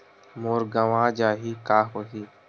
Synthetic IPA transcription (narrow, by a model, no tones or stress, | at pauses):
moːɾɡəʋãːd͡ʒaːɦiːkaːɦoːɦiː